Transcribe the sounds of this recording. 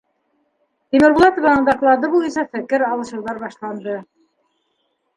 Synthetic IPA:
t̪ʲimɘɾbulˠɑt̪ŏvɑnɤ̆nd̪ɑklˠɑd̪ɤbulˠjɤ̆nsɑfɘ̆kɘɾɑlˠɤ̆ʃɤ̆ɾðɑɾbɑʃlˠɑnd̪ɤ

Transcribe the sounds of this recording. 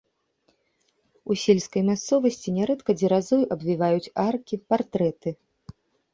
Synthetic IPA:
usʲelʲskɐjmʲast̪sɔvɐsʲt͡sʲinʲɛɾɛt̪kɐd͡zʲiɾazɔjʔɐbvʲivajut͡sʲarkʲipart̪ɾɛt̪ɨ

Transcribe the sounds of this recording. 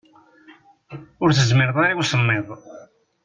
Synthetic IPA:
ʊɾθəzmɪɾðˤaɾiwsəmːɪðˤ

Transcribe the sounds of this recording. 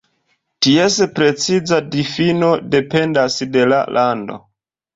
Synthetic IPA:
tiespɾe̞t͡sizadifinode̞pe̞ndasde̞la̰lʔando̞̰

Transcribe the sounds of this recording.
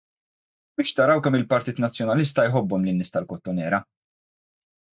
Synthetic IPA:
bɪːʃt̪ɐɾɐwkɛmɪlpɐɾt̪iːt̪nɐt͡sːjɔnɐlɪs̬t̪ɐjħɔbːɔmlɪnːɪːst̪ɐlkɔt̪ːɔnɛːɾɐ

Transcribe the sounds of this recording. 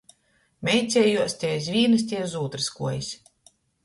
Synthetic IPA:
mʲɛjt̪sʲɛːjuɔsʲt̪ʲɛːjs̬ʲvʲiːnɨs̬ʲt̪ʲiɛzuːt̪ɾɨskuɔjisʲ

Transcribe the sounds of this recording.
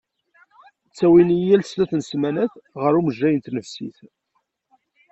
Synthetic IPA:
t͡sːæwinijælslæθnsmænæθʁəɾuməʒːæjənt̪nəfsḭθ

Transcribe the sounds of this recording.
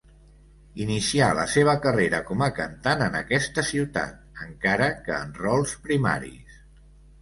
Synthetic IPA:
inisialə̰seβ̞əkəreɾəkɔməkənt̪anənəkɛst̪əsiwt̪a̰t̪̚əŋkaɾəkəːnrɔlˠspɾima̰ɾḭs

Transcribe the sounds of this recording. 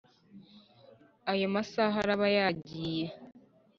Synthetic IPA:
ajomasaɦaɾaβajaːɟiːje

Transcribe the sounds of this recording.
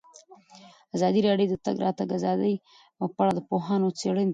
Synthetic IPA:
azɑd̪iɾɑɖjod̪ət̪a̰ɡɾɑ̰t̪aɡazɑd̪əj | əpaɽad̪əpoɦɑnot͡seɽənd̪

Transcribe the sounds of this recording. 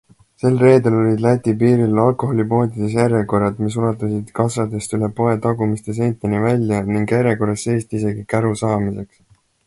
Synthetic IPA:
se̞lre̞ːd̪elo̞lʲid̪læt̪ʲːˑipiːɾilɑlko̞ɦo̞lʲipo̞ːd̪ʲid̪̥es̬jeɾeko̞rɑd̪mis̬ulɑt̪ːˑɑsid̪̥kɑsɑd̪̥e̞st̪ylepo̞e̞t̪ɑɡumist̪e̞s̬ejt̪ːˑenivælʲjɑniŋɡeɾeko̞ɾesːe̞jst̪ise̞ɡikæɾusɑːmise̞ks

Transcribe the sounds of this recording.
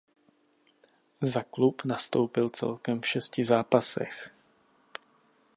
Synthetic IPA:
zaklupnast̪owpɪlt͡sɛ̰lkɛmfʃɛscɪzaːpasɛ̰x

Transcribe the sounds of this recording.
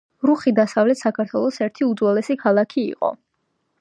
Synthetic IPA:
ɾuχid̪asavlɛt̪ʰsakʰaɾt̪ʰwɛlˠɔsɛɾt̪ʰiud̪zwɛlɛsikʰalˠakʰḭːqʼɔ̰

